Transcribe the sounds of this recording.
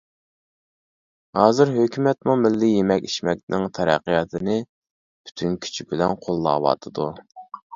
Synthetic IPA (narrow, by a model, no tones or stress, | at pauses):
hɑːzɪɾɦøkʲʰymɛt̪mumɪlːɪjemɛkʲiʃmɛk̚ʲnɪŋt̪ʰɛɾɛ̰qːijɑt̪ʰɨnɪ | b̥y̥t̪ʰynkʲʰy̥t͡ʃʰibɪlɛnqʰolˠːɑ̰ːwɑ̰t̪ʰɨd̪u